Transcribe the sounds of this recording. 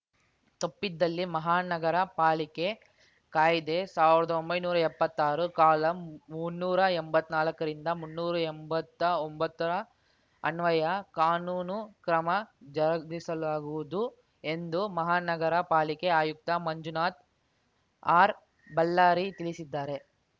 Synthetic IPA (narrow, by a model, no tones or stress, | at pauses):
t̪opːid̪ːɐlːimɐɦaːnɐɡɐɾɐpaːlike̞ | kaːjid̪esaːʋiɾɐd̪ɐombɐjnuːɾɐɛpːɐt̪ːaːɾukaːlɐmunːuːɾɐembɐt̪ːnaːlɐkːɐɾind̪ɐmunːuːɾɐembɐt̪ːɐombɐt̪ːɐɾɐ | ɐnʋɐjɐkaːnuːnukɾɐmɐd͡ʒɐɾɐdisɐlaːɡuʋud̪u | e̞nd̪umɐɦaːnɐɡɐɾɐpaːlikeaːjuk̚t̪ɐmɐɲd͡ʒunaːt̪̚ | aːɾ | bɐlːaːɾit̪ilisid̪ːaːɾe̞